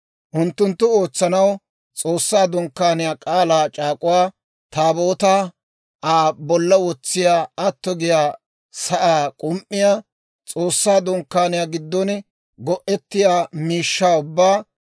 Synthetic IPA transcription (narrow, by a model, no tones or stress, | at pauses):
ʔʊnt̪ːʊnt̪ːʊoːt͡sːɐnɐw | t͡sʼo̞ːsːaːd̪ɔŋkːaːnɪjaːkʼaːlaːt͡ʃʼaːkʼʊwaː | t̪aːboːt̪aː | ʔaːbɔlːɐwɔt͡sːɪjaːɐt̪ːɔɡɪjaː | sɐʔaːkʼʊmʔːɪjaː | t͡sʼoːsːaːd̪ɔŋkːaːnɪjaːɡɪd̪ːɔn | ɡɔʔɛt̪ːɪjaːmiːʃːaːʊbːaː